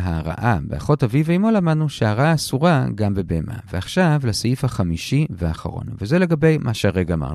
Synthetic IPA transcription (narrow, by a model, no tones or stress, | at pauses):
ɦaʁa̰ʔabea̰χo̞taviveimolamad̪nuʃeaʁaaːsuʁaɡambe̞beemʔa̰veaχʃavlasajifhaχamiʃiveaχa̰ʁo̞̰nvezele̞ɡabe̞jmʔaʃeaʁeɡaama̰ʁn